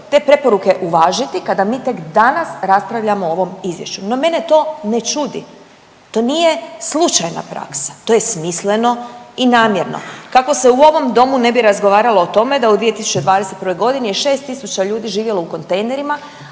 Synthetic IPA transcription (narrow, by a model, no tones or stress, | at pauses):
t̪e̞ːpɾe̞po̞ɾuke̞ʔuʋaːʒit̪ikad̪amiːt̪e̞kd̪anasɾaspɾaʋʎamoo̞ʋo̞mizʋje̞̰ʃt͡ʃuno̞me̞ne̞t̪o̞ːne̞t͡ʃud̪ḭ | t̪o̞ːnije̞slˠut͡ʃajna̰pɾa̰ksḁt̪oje̞smisle̞no̞inaːmjeɾno̰kako̞se̞uo̞ʋo̞md̪o̞mune̞biɾazɡo̞ʋaːɾalo̞ːt̪o̞me̞d̪aud̪ʋije̞t̪isu̥t͡ɕe̞d̪ʋaːd̪eset̪pɾʋo̞jɡo̞d̪inejeʃe̞ːst̪isut͡ɕaʎuːd̪iʒiːʋje̞louko̞nt̪ejne̞ɾima